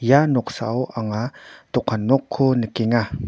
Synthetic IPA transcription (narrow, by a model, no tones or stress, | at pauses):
janɔksa̰wʔaŋat̪ɔkʰanːɔkʰːunəkeŋa